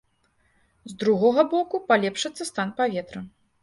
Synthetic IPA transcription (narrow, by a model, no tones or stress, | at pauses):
zd̪ɾuɣɔɣɐbɔkupalʲɛpʂɐt̪sːɐst̪anpavʲɛt̪ɾɐ